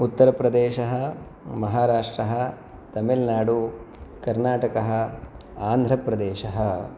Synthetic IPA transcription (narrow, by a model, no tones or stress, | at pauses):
ut̪ːɐɾɐpɾɐd̪eːʃɐɦɐ̆ | mɐɦaːɾaːʂʈɾɐɦɐ | t̪ɐmilnaːɖu | kɐɾnaːʈɐkɐɦɐ̆ | aːnd̪ʱɾɐpɾɐd̪eːʃɐɦɐ